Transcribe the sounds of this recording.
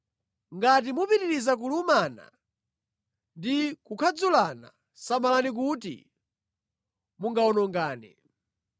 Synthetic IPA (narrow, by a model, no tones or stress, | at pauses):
ŋɡat̬imupiɾiɾizak̬ulumana̰ | ndikukʰad͡zulana̰ | samalanik̬utḭ | muŋɡaɔnɔŋɡaːnɛ̰